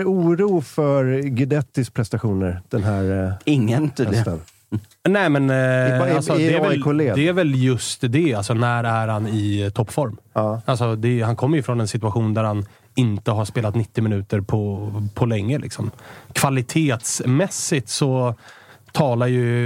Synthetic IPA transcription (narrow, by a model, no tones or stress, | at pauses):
uːɾuːfœɾɡɪd̪ɛt̪ːɪs̚pʰɾɛst̪aɧuːnəɾd̪̥ɛnɦæɾɪŋːən | nɛːmɛnlsɔd̪ɛæɾvɛkʰoled̪ɛæɾvɛljɵst̪d̪ɛalsɔnæɾæɾhanɪt̪ʰɔpːfɔɾmalsɔd̪ɛjɦankʰɔmːəɾjɵfɾɔnɛnsɪt̪ɵaɧuːnd̪æɾhan | ɪnt̪əɦaɾʂspeːlat̪nɪt̪ːɪmɪnʉ̟ːt̪əɾpʰɔpʰɔlɛŋːəlʔɪ̰ksɔmkʰv̥alɪt̪ʰeːt̪smɛsːɪt̪sɔ | t̪ʰɑːlajɵ